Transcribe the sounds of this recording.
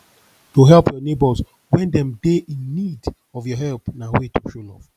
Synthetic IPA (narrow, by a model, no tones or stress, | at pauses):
toɦɛlˠpʰjɔnebɔz | wɛ̃ndɛ̃mdeʔĩnːid | ɔvjɔɦɛlpnawetʰoʃolɔ̰v